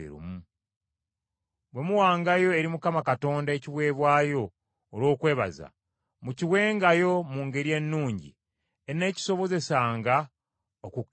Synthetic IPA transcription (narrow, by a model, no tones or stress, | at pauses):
ḛɾṵmu | bwe̞muwaːŋɡajo̞e̞ɾimukamakato̞ːndaeciβwe̞ːβwaːjo̞ː | lwo̞ːkwe̞ːβa̰za̰ | muciwe̞ːŋɡajo̞muːŋɡe̞ɾie̞nːuːɲɟḭ | ene̞ːci̥so̞βo̞ze̞saːŋɡa | oku